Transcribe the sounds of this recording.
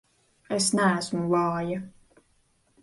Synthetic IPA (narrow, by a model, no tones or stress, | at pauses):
ɛsnæːsmwɑːjə